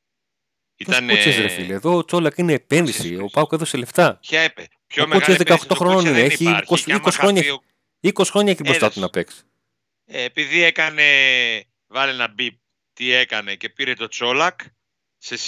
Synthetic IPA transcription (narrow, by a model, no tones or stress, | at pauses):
iɐnuezɾefileðo̞ːt͡so̞lɐkineːpe̞nðisiopɐwkeðosele̞ft̪ɐçɐee | çomuezðekɐokt̪oxɾononineeçikosikosi̥xɾo̞ɲɐ | ikosi̥xɾoɲɐeçibɾost̪ɐt̪unɐpe̞ksi̥ | piðiekɐne̞ | vɐlienɐbip̚ | t̪ie̞kɐne̞ce̞piɾet̪o̞t͡so̞lɐk | ses